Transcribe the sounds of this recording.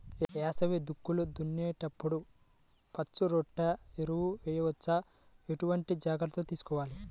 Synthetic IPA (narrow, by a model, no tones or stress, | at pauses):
ɛːsɐʋid̪ukːulud̪unːjeːʈɐpːuɽu | pɐt͡ʃːuɾoʈːɐeɾuwuʋɛːjɐʋɐt͡ʃːɐ | eʈuʋɐɳʈid͡ʒaːɡɐlt̪oːt̪iːsu̥kɔːʋaːli